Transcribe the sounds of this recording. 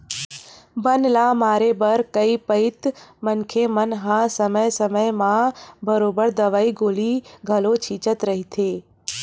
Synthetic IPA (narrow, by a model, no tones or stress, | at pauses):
bənlaːmaːɾebəɾkəipəɪt̪mənkʰemənɦãsəməjsəməjmãbəɾoːbəɾd̪əʋaːiɡoːliɡʱəlot͡ʃʰiːt͡ʃət̪ɾəɦit̪ʰeː